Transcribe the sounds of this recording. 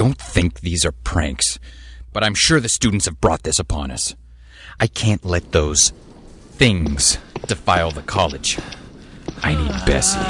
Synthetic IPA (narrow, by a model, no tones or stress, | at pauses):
õʊ̃nθɪ̃ŋk̚ðizə˞pʰɹ̥æ̰̃ŋksb̥ʌɾãɪ̃mʃʊɹðɨstʉdⁿn̩tshɨvbɹɔ̰t̪̚ðɪsəpʰɑ̰̃nʌ̰s | ʔaɪkʰæ̃nʔlɛt̪̚ðoʊz̥ | θɪ̃ŋz̥d̥ɨfaɪlˠðəkʰɑlˠɨ̥d͡ʒ | ʔaɪnid̚bɛ̰s